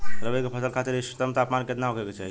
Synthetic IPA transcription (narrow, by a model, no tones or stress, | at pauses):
ɾəbəjkepʰəsəlkʰat̪iɾist̪əmt̪apmanket̪naɦokeket͡ʃaɦi